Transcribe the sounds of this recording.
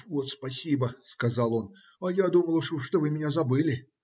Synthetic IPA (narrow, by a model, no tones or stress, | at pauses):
vot̪spɐsʲibəskɐzɑlˠo̞n | ɐjad̪uməlˠʂʂt̪ovɨmʲɪnʲazɐbɨlʲɪ